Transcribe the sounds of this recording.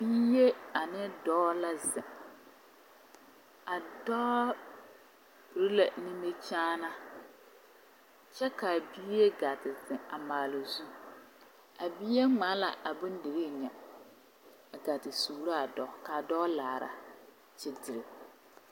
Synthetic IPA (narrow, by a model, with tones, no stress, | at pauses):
biː˦je˦a˨nɪ˦dɔː˦la˨zɪ̃˨ | a˨dɔː˦ | bɾi˦la˨nĩ˦me˦t͡ʃaː˦nã˦ | t͡ʃɛ˦ka˨biː˦je˦ɡa˨tɪ˨zɪ̃˨a˨maː˨la˨zu˦ | a˨biː˦e˦ŋ͡mã˨˦la˨ʔa˨bʊ̃˦n˦de˨ɾe˦˨ɲã˨ | a˨ɡa˨tɪ˨suː˨la˦a˨dɔː˦ka˨dɔː˦laː˨ɾa̰˨ | t͡ʃɪ˦dɪ˨ɾɪ˨